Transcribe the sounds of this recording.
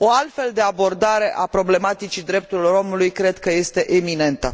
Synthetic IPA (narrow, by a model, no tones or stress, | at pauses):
o̞alt̪fe̞ld̪e̞abo̞rd̪aɾe̞ʔapɾo̞ble̞mat̪it͡ʃid̪ɾe̞p̚t̪uɾiloɾo̞mulujkɾe̞d̪kəje̞st̪e̞ʔemine̞nt̪ə